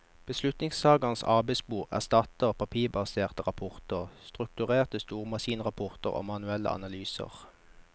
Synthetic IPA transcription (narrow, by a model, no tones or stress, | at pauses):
b̥əslʉt̪nɪŋsɑːɡɑnsɑ̰ʁbæɪsbuːʁæ̰ʁst̪ɑt̪əʁpʰɑpʰiːbɑseːʁt̪əʁɑpʰɔʁt̪əʁst̪ʁʉk̚t̪ʉʁeːʁt̪əst̪uːʁmɑsiːnʁɑpʰɔʁt̪əʁo̰ːmɑnʉɛlə̰ʔɑ̰nɑlyːsə̰ʁ